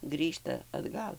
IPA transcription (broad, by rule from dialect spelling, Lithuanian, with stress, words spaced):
ˈɡrʲiːʃtɐ ɐdˈɡɐlˠ